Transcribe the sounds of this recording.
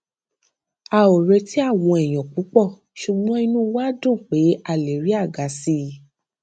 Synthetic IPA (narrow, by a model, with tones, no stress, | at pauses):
a˨˧˨o˨ɾɛ˧ti˨˦a˦˨w̃ɔ̃˧ɛ˨j̃ɔ̃˨k͡pu˨˦k͡pɔ˦˨ | ʃu˨ɡ͡bɔ̃˦i˧nũ˦wa˦dũ˦˨k͡pe˨˦a˦˨le˨ɾi˨˦a˦˨ɡa˨si˧